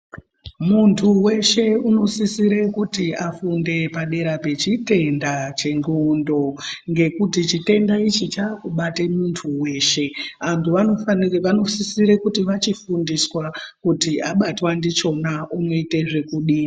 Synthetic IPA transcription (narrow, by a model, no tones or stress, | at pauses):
muntʰuwe̞ʃe̞uno̞sisiɾe̞kutiafunde̞paɗe̞ɾape̞t͡ʃite̞ndat͡ʃe̞ŋɡondo̞ŋɡe̞kutit͡ʃite̞ndait͡ʃit͡ʃaːkuɓatemuntʰuwe̞ːʃe̞ʋantuʋano̞fanano̞sisiɾe̞kutiʋat͡ʃifundiswakutiʔaɓatwandit͡ʃo̞nauno̞ite̞ʐe̞kuɗi